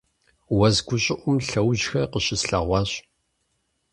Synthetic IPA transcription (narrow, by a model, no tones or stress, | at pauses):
wɐzɡʷʊɕʼɪʔʷʊmɬɐwʑxɐrqəɕɪsɬɐ̰ʁʷɑːɕ